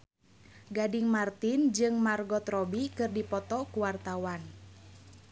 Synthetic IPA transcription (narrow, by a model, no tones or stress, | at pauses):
ɡadɪŋmart̪ind͡ʒɨŋmarɡɔt̪rɔbikɨrdipɔt̪ɔkuwart̪awan